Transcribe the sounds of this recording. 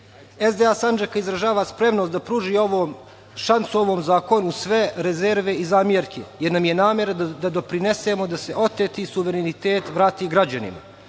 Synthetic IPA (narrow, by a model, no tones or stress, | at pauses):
ezd̪easand͡ʒakaizɾaʒaːʋaspɾe̞mnost̪d̪apɾuːʒiːo̞ʋoːm | ʃant̪suo̞ʋoːmzaːko̞nusʋe̞ɾezeɾʋe̞izaːmjeɾkʰḛjeɾnamjenaːmʲjeɾad̪ad̪o̞pɾine̞semo̞d̪ase̞ʔo̞t̪et̪isuʋeɾenit̪eːt̪ʋɾaːt̪iːɡɾad͡ʑanḭma̰